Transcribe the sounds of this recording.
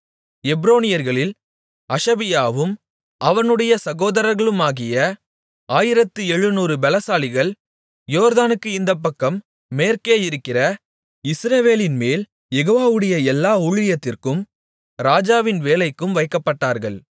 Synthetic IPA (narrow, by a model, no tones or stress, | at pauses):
ɛbɾoːnɪjɐɾɣɐɭɪl | ɐʂɐbɪjaːʋɯm | ʔɐʋɐnɯɽɐjɐsɐɣoːðɐɾɐɾɣɐɭɯmaːɣɪjɐ | aːjɪɾɐt̪ːɯɛɻɯnuːɾɯbɛlɐsaːlɪɣɐɭ | joːɾðaːnɯkːɯɪnd̪ɐpːɐkːɐmː | eːɾkeːjɪɾɯkːɪrɐ | ɪsɾɐʋeːlɪnmeːl | jɛɣoːʋaːʋɯɽɐjɐɛlːaːuɻɪjɐt̪ːɪrkɯm | ɾaːd͡ʒaːʋɪnʋeːlɐɪkːɯmʋɐɪkːɐpːɐʈːaːɾɣɐɭ